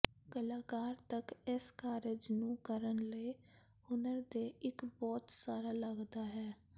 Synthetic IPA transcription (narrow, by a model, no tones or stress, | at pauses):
kəlaːkaːɾt̪əkɪskaːɾed͡ʒnũːkəɾənləi | hʊnəɾd̪eːʔɪkbɔːt̪saːɾaːləɡd̪aːɦɛː